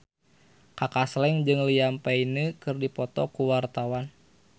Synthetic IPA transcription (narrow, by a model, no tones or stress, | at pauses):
kakaslɛŋd͡ʒɨŋlijampainəkɨrdipɔt̪ɔkuwart̪awan